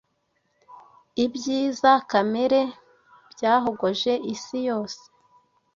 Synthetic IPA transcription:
ibɟiːzakameɾe̞ | bɟaːɦo̞ɡoʒe̞ʔisijo̞ːse̥

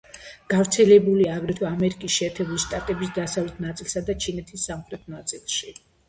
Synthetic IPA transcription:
ɡ̥avɾt̪sʰɛlɛbuliaːɡɾɛt̪ʰɔamɛɾikʼisʃɛːɾt̪ʰɛbuliʃt̪ʼat̪ʼɛbisd̪asavlɛt̪ʰnat̪sʼilˠsad̪at͡ʃʰinɛt̪ʰisːamχɾɛt̪ʰnat̪sʼilˠʃi

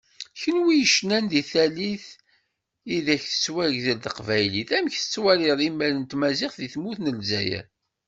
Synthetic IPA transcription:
çənwijəʃnænðiθæliθ | iðæçθə̥t͡sːwæʝðəlðəqvæjliθæmçθə̥t͡sːwæliðˤimːælənt̪mæzɪχðiθmuθnəlzæ̰jæ̰

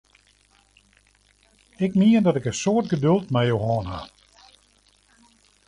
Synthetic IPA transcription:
ɪkmiəndɔtɪkəsoərtɡədølˠtmɛjowɦɔːnha̰

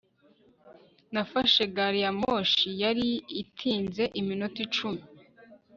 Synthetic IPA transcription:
nafaʃeɡaɾijamoʃijaɾiitʰiːnze̞ʔiminutit͡ʃumi

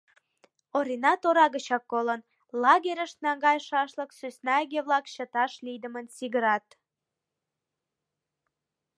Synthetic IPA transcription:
oɾinɑt̪oɾɑɣət͡ɕɑkːolən | lɑɣeɾʲəʃnɑŋɡɑjʃɑʃləksysnɑɡeβlɑkɕə̆t̪ɑʃlid̪ə̆mənsiɣəɾɑt̪

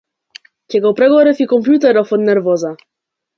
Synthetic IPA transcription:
cʲɛɡɔwpɾɛɡɔɾɛfikɔmpjut̪ɛɾɔfɔd̪nɛɾvɔza

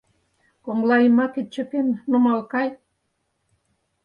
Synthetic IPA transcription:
koŋlɑimɑket̪̚t͡ɕøpennomɑlkɑj

